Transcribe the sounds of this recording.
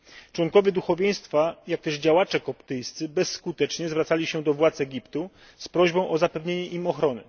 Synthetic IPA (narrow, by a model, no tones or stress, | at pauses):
t͡ʂwɔŋkɔvʲjɛd̪uxɔvʲjẽj̃st̪fajak̚t̪ɛʐd͡ʑawat͡ʂɛkɔpt̪ɘjst̪sɘbɛsːkut̪ɛt͡ʂɲɛzvɾat̪salʲiɕɛd̪ɔvwat̪sɛɡʲipt̪u | spɾɔʑbɔ̃w̃ʔɔzapɛvɲeɲɛʔimɔxɾɔnɘ̰